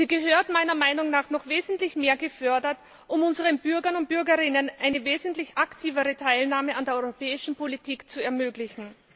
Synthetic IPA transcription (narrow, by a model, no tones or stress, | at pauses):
z̥iːɡəɦøːɐtmaɪnɐmaɪnʊŋnaːχnɔχv̥eːzn̩tlɪçmeːɐɡəfœɐdɐt | ʔʊmʊnzəʁ̞ənb̥ʏɐɡɐnʊnt̚b̥ʏɐɡəʁɪnənʔaɪnəveːzn̩tlɪçaktʰiːvəʁətʰaɪlnaːməandeːɐɔʏʁopʰɛːɪʃn̩politʰiːkt͡suɛɐmøːɡlɪçn̩